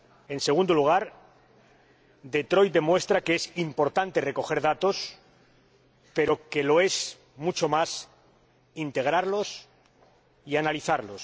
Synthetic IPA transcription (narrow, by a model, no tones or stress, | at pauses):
e̞nse̞ɣ̞und̪oluɣ̞aɾ | d̪e̞t̪ɾo̞jt̪̚d̪emwe̞st̪ɾakeesimpo̞ɾt̪ant̪e̞re̞ko̞xe̞ɾðat̪o̞s | pe̞ɾo̞ke̞lo̞e̞s | mut͡ʃo̞mas | int̪e̞ɣ̞ɾaɾlo̞s | ianaliθaɾlo̞s